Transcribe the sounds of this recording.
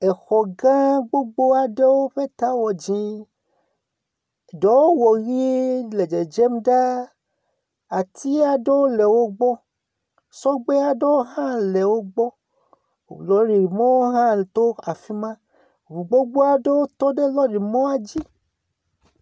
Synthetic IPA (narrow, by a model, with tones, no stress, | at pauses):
ɛ˨xɔ˨ɡã˦ɡ͡bo˦ɡ͡bo˦a˨de˦wo˦ɸɛ˦t̪a˨˦wɔ˨d͡ʒĩ˧˨ | dɔ˨˦wo˦wɔ˨ɣi˦lɛ˨d͡ʒɛ˨d͡ʒɛ˦m˦da˦ | a˨tʰi˦a˨de˦o˦lɛ˨wo˦ɡ͡bɔ˦ | sɔ˦ɡ͡be˦a˨do˦wo˦ɦã˦lɛ˨wo˦ɡ͡bɔ˦˨ | lɔ˨˦ɾi˨ɾi˨mõ˦o˦ɦã˦˨t̪o˦a˨fi˦mã˦ | o˨bu˨ɡ͡bo˦ɡ͡bo˦a˨de˦wo˦t̪o˦de˦lɔ˦di˨mɔ̃˦a˦d͡ʒi˦